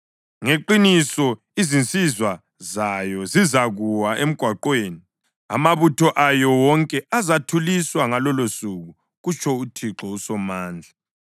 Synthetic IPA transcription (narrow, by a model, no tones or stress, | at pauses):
ŋeǃinisɔ | izint͡sʼizwa | zajɔzizaɣuwaʔem̩ɡ̥ʱwaǃweːni | a̰maβutʰɔʔajɔwɔŋkʼɛazatʰuliswaŋalɔlosuɣu | ɣut͡ʃʰʼɔutʰiǁɔusɔmaːnd͡ɮʱa